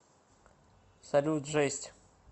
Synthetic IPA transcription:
sɐlʲut̪ʐɛsʲtʲ

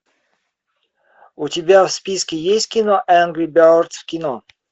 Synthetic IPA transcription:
ʊtʲɪbʲafspʲiskʲɪjesʲtʲkʲɪnoʔænɡɾʲibʲalrt̪fkʲɪno

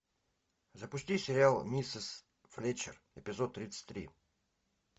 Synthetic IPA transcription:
zəpʊsʲtʲisʲɪɾʲɪalˠnʲisəs | flʲet͡ɕɪr | ɪ̰pʲɪzot̪ːɾʲit̪sə̥tʲt̪ːɾʲḭ

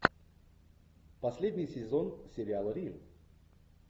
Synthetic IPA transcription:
pɐsʲlʲedʲnʲɪjsʲɪzonsʲɪɾʲɪalˠəɾʲim

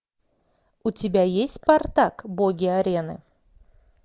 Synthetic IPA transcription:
ut̪ʲɪbʲæjesʲt̪ʲpart̪akboɡʲɪaɾʲe̞nɨ̰

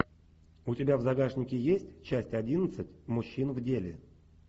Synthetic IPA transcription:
ʊtʲɪbʲavzɐɡaʐnʲɪkʲɪjesʲtʲt͡ɕæsʲtʲɐdʲinət̪sɨtʲmʊɕːinvdʲelʲɪ̰

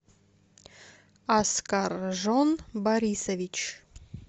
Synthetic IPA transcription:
askarʐonbaɾʲisevʲit͡ʃ

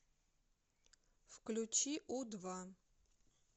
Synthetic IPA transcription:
fklʲut͡ʃʰiʔud̪va

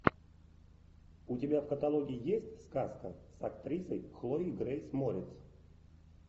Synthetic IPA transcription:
ʊtʲɪbʲafkət̪alˠoɡʲɪɪjesʲtʲskaskəsɐkt̪ɾʲisəjxlˠoiɡɾejsmoɾʲɪt̪s

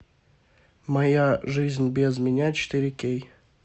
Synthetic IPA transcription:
mɐjaʐɨzʲnʲbʲezmʲɪnʲat͡ɕɪ̥t̪ɨɾʲɪkʲej

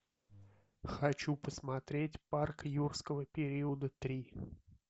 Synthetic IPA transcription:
xat͡ʃupəsmat̪ɾʲet͡sʲparkjurskəvəpʲeɾʲiəd̪ət̪ɾʲi

